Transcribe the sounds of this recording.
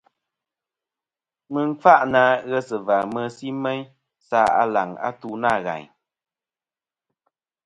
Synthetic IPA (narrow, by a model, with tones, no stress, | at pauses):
mɨ˨ŋ̩˦fa˦ʔnaː˧˦ɣɛ˦sɨ˨va˨mə˧si˦mɛ˦ɲ | saː˦a̰˨la̰˨ŋa̰˦tu˦na˦˨ɣa̰˨ɲ